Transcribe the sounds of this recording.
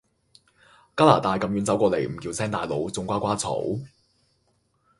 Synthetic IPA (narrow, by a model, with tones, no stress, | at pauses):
kaː˥laː˨˩t̪aː˧jkɐ˨mɥy˨˧nt͡sɐ˨˥wkʷɔː˧le˨˩jm̩˨˩kiː˧wsɛː˥ŋt̪aː˨jlo˨˧wt͡sʊ˧ŋkʷaː˥kʷwaː˥t͡sʰo̰˨˥w